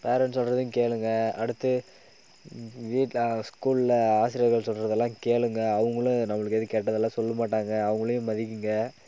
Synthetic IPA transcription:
peːɾɛnsɔlɾɐðɪjkeːɭɯŋɡɐɐɽɯt̪ːɯ | ʋiːʈskuːɭɪlaːsɪɾɪjɐɾɣɐɭsɔlrɾɐðɛlːãːkeːɭɯŋɡɐːʋɯŋɡɐɭʊ̃nɐmːɐɭɯkːɛðɯkeːʈːɐðɛlːãːsɔlːɐmaːʈːaːŋɡɐːʋɐŋɡɐɭɐjʊ̃mɐðɪkːɯŋɡɐ

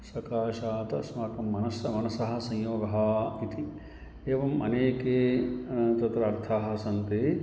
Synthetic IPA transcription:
sɐkaːʃaːt̪ɐsmaːkɐmːɐnɐsɐmɐnɐsɐɦɐ̆sɐ̃jjoːɡɐɦɐit̪i | eːʋɐmɐ̰neːkeː | t̪ɐt̪ɾɐːɾt̪ʰaːɦɐ̆sɐnt̪eː

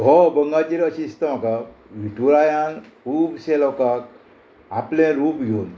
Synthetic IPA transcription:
ɦɔbəŋɡat͡ɕiɾəɕist̪əm̤akaʋiʈuɾajãn | upɕɛlɔwkak | aplɛ̃ɾuːpɡʱeun

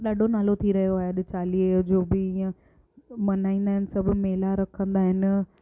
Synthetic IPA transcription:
ɗaːɖʱonaːlot̪ʰiɾɐɦijoaːɦeɐɗɪt͡ɕaːlid͡ʑoːbɪĩə̃ | mɐnaːĩnd̪aːɦɪnɪ̆sɐbʱʊmeːlaɾɐkʰə̃nd̪aːɦɪnɪ̆

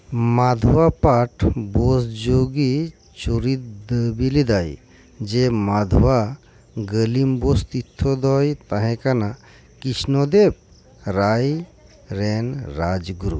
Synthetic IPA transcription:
mad̪ʱwapaʈʰbɔsd͡ʒoɡi | t͡ʃuɾit̪̚d̪əbilid̪aj | d͡ʒemad̪ʱwa | ɡəlimbɔst̪it̪ʰːɔd̪ɔjt̪aɦɛ̃kana | kisnɔd̪eb̚ | ɾaj | ɾɛnɾad͡ʒɡuɾṵ

